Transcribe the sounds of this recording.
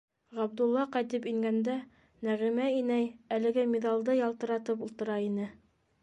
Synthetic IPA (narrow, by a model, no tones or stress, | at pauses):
ʁɑbd̪ulˠːɑqɑjt̪ɘpiŋɡænd̪æ | næʁimæinæjælɘ̆ɡæmiðɑlˠd̪ɤjɑlˠt̪ɤ̆ɾɑt̪ɤp̬ulˠt̪ɤ̆ɾɑinɘ